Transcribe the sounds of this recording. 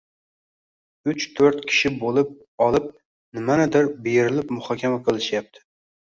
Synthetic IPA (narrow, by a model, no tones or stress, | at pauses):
ʊt͡ʃt̪ʰɵɾt̪kʲʰɪ̥ʃɪbolˠɪp̚ | ɒlˠɪp̚ | nɪmanɪd̪ɪɾbeɾɪlɪpmʊhɒkʲʰamaqʰɨlˠɪʃjap̚t̪ʰɪ̥